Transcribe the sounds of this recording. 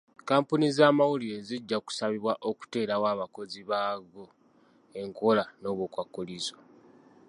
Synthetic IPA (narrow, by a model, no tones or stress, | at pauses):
kaːmpunizaːmawuliɾeziɟːaku̥saβiβwaʔo̞ku̥te̞ːɾawaːβako̞ziβaɡo | e̞ŋkolano̞ːβukwakːolizo